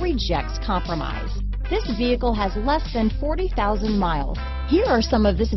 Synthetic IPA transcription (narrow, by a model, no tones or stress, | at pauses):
id͡ʒɛk̚tskʰɑ̃mpɹɨma̰ɪz | ðɪsviɨkl̩ˠɨzlɛsðɨ̃nfɔɹɾiθaʊzə̃nmaɪlˠz̥ | hiɹə˞sʌ̃mʌvðɪs